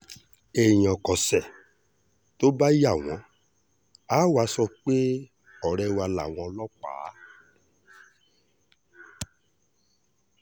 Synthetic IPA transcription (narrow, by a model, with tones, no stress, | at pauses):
e˨j̃ɔ̃˨kɔ˨sɛ˦˨ | to˦ba˦ji˦a˦˨w̃ɔ̃˨˦ | a˨˦wa˨˦sɔ˧k͡pe˦ | ɔ˨ɾɛ˧˦wa˧la̰˨w̃ɔ̃˧˦lɔ˦k͡pa̰ː˨˦